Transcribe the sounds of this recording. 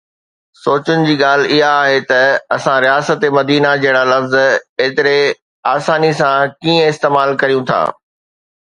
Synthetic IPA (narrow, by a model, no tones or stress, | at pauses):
soːt͡ɕʊnɪ̆d͡ʑiːɠaːl̤ɪɦaːɦet̪ɐɐsãɾijaːsət̪emɐd̪iːnad͡ʑɐɦɪɽ̃alɐfzeːt̪ɪɾe | aːsaːnisãkiːə̃ɪst̪eːmaːlkɐɾijũt̪ʰa̰ː